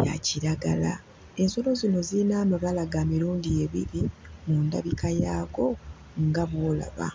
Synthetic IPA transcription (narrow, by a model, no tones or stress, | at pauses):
ja̰ciɾaɡala | e̞nso̞lo̞zino̞ziinaːmaβalaɡamiɾuːndieβḭɾimunda̰βikʰajaːɡo̞ | ŋɡaβwoːla̰βa̰